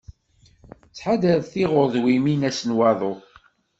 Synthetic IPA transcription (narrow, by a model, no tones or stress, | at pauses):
t͡sːħad̪əðθiʁʊɾðwiminæsənwɑðˤo